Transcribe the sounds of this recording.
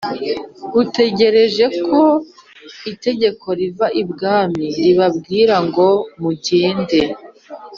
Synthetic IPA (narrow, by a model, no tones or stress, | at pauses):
ute̞ɟe̞ɾe̞ʒe̞kʰo̞ | ite̞ɟe̞kʰo̞ɾivaʔibɡaːmiɾiβabɡiːɾaŋɡo̞muɟeːnde